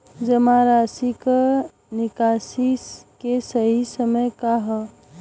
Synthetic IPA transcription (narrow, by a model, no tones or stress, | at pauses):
d͡ʒəmaɾasikə | nɪkasiskesəɦisəməjkaɦə